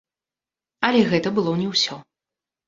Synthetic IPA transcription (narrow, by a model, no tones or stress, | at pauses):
ɐlʲɛɣɛt̪ɐbɨlˠɔnʲɛwsʲɔ